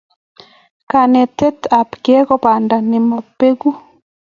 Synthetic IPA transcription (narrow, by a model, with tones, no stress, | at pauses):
ka˨nɛ˨tɛ˦ta˨pkɛ˦kɔ˦pa˨nda˨nɪ˨mɔ˨pːe˦ɡu˦